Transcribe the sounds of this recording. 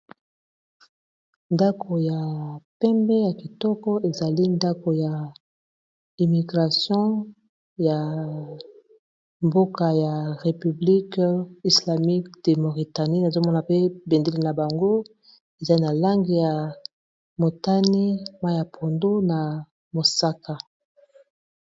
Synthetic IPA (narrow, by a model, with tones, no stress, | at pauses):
nda˦kʰo˨ja˨pɛ˦mbɛ˦ja˨ki˨tɔ˦kɔ˦e˨za˨li˦nda˦ko˨ja˨ | i˨mi˨ɡʁa˨sjɔ̃˦ | ja˨ | mbo˦ka˨ja˨ʁe˨py˨bli˦ki˨sla˨mi˦kd̥e˨mo˨ʁi˨ta˨ni˦na˨zo˦mɔ˦na˨pe˦be˨nde˦li˦na˨ba˨ŋɡo˦ | e˨za˦na˨la˦ŋɡi˨ja˨ | mo˨ta˦ni˦ma˦ja˨pʰo˨ndo˦na˨ | mo˨sa˦ka˦